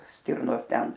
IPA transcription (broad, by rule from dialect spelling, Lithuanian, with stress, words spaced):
ˈsʲtʲɪrnoːs ˈtʲɛn